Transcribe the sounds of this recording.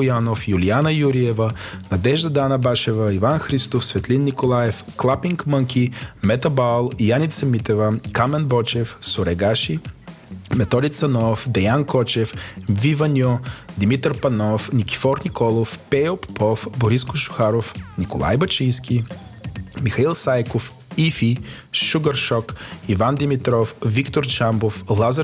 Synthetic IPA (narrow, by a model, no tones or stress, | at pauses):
ojanofjulianəjuɾiɛvənɐd̪ɛʒd̪ɐd̪anɐbaʃɛvəivanxɾist̪ofsvɛt̪linːikolˠajɛf | klˠapiŋkməŋkʲimɛt̪ɐbalˠjanʲit̪sɐmit̪ɛvəkamɛnbɔt͡ʃɛfsʊɾɛɡaʃi | mɛt̪ɔd̪it̪sɐnɔfd̪ɛjankɔt͡ʃɛfvivɐnʲjɔd̪imit̪ɾpɐnɔfnikʲi̥fɔɾnikɔlˠofpɛoppɔfboɾiskʊʃʊ̥xaɾofnikolˠa̰jbɐt͡ʃijskʲi | mixɐilˠsajkof | ifiʃuɡɐɾʃɔkivand̪imit̪ɾɔfvikt̪oɾt͡ʃamboflˠazə